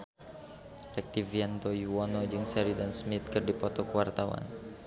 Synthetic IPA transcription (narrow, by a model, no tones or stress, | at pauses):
rɛk̚t̪iviant̪ojuwɔnɔd͡ʒɨŋsɛɾidansmit̪̚kɨrdipɔt̪ɔkəwart̪awa̰n